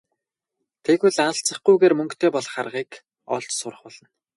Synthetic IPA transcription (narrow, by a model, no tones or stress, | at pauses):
t̪ʰeɣuɮanə̆ɬt͡sə̆χɡujɣeːrmɵŋkt̪ʰeːpɔɮχarʁiːk | ɔ̰ɮt͡ɕsʊɾə̆χpɔɮɞ̆n